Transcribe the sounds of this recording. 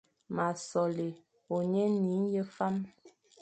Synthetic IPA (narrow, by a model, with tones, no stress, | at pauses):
ma˨sɔ˨le˨ | o˨ɲe˦ni˨˦n˦jə˦fa˦m